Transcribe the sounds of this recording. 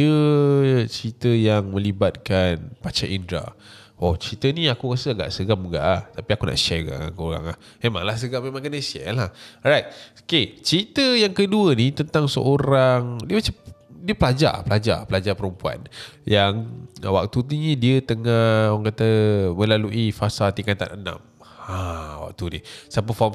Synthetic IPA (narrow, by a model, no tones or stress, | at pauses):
ə | t͡ʃɾit̪əjaŋmə̃libat̪̚kanpat͡ʃaʔindɾa̰ | ɔt͡ʃɾit̪ənĩakukasəaɡa̰ʔsəɡamuɡa̰ʔaht̪apiakunʔa̰ʔʃɛɡa̰ŋa̰ŋkəoɾa̰ŋlah | memã̰ŋlahs̬əɡamemãŋkanəsɛ̰lahɾajt̪̚oket͡ʃɾit̪əjaŋkəduənĩt̪ənt̪aŋsə̰ʔoɾaŋdiəmat͡ʃamdiəpəlad͡ʒa̰pəlad͡ʒa̰pəlad͡ʒapəɾəmpua̰njaŋwa̰k̚t̪ut̪iɲədiət̪əŋaaŋkat̪əmə̃laluʔifasat̪ikat̪a̰nənã̰m | awa̰k̚t̪unḭsap̬əfɔ